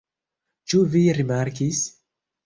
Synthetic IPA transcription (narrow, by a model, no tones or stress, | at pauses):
t͡ʃuviɾimaɾkis